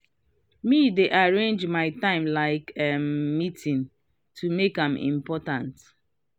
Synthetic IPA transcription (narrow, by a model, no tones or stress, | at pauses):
mideʔaɹẽnd͡ʒmaɪtãɪ̃mlaɪkɛmitʰĩn | tʰumekãmḭ̃mpɔtãnt